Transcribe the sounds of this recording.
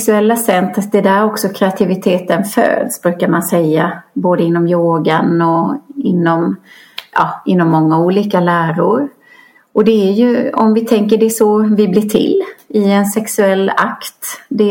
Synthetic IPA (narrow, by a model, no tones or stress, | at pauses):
ksɵɛlːasɛnt̪ɾət̪d̪ɛd̪æɾɔksɔkʰɾɛat̪ʰɪvɪt̪ʰeːt̪ənfø̰ːd̪sbɾʉ̟ːkaɾmansɛjːaboːd̪əɪnːɔmjoːɡanɔɪnːɔm | jɑ̰ɪnːɔmːɔŋːauːliːkalæːɾʊɾ | ʔɔd̪ɛæɾjɵɔ̰mvɪt̪ʰɛŋkəɖɛʂɔvɪblɪːʈʰɪ̰lːɪɛnsɛksɵɛlːa̰kt̪d̪ɛ